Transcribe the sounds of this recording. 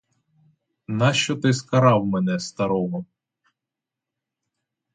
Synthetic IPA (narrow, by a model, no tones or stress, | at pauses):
nɑʃt͡ʃɔt̪ɪskɐɾɑwmɛnɛst̪ɐɾɔɦɔ